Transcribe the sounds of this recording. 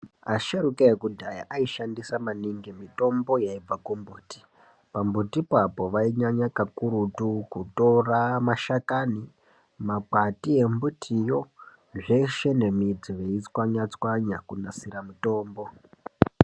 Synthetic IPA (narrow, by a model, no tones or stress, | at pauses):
aʃaɾukeekudʱaja̰ʔaiʃandisamaniŋɡemito̞mbo̞jaib͡vakumbuːti̥ | pambutipapo̞ʋaiɲaɲakakuɾutukuto̞ramaʃakani | mak͡patie̞mbutʰijo̞ | ʐe̞ʃe̞nemid͡ziʋeit͡swaɲat͡swaɲakunasiɾamito̞ːmbo̞